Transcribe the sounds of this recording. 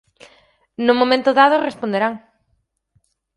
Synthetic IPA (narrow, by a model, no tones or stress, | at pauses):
nʊmõmẽnt̪ʊðað̞ʊrespond̪eɾaŋ